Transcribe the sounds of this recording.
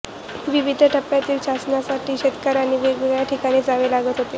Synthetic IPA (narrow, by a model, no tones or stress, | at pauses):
ʋiʋid̪ʱəʈʰəpːjat̪iːlɕasnasaʈiːɕet̪kəɾaɽ̃iʋeɡɭɭjaʈʰikaɽ̃iːd͡zaʋelaɡət̪ɦot̪e